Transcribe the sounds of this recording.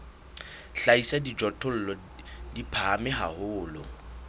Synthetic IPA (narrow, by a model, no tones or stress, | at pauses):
ɬaisadid͡ʒɔtʰʼʊl̩lɔ | dipʰaːmɪɦa̰hʊːlʊ